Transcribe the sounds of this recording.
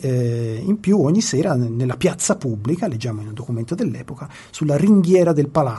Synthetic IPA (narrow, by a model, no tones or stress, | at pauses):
impjuɔɲːisɛːɾanelːapjat̪sːapubːlikaled͡ʒːaːmoinund̪okumɛnt̪od̪elːɛ̰ːpoka | sulːariŋɡjɛːɾad̪elpala